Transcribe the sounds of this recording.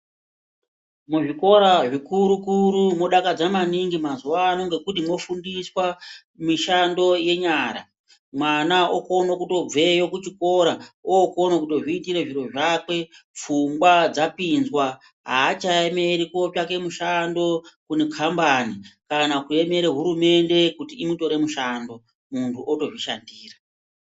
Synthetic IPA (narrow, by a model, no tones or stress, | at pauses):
muʐiko̞ɾaʐikuɾukuɾumoɗakad͡zamaniŋɡimazuwaːno̞ŋɡe̞kutimo̞fundiswa | miʃando̞je̞ɲaːɾa̰ | mwanaoko̞nokuto̞b͡ve̞jokut͡ʃiko̞ɾaoːko̞nokutoʐiːtiɾeʐiɾo̞ʐakwe̞p͡fuŋɡwad͡zapinzwa | ɦaːt͡ʃaeme̞ɾiko̞pak̬e̞muʃando̞kune̞kʰambanikanakue̞me̞ɾeɦuɾume̞nde̞kutiːmuto̞ɾe̞muʃando̞ | muntʰuʔoto̞ʐiʃa̰ndiːra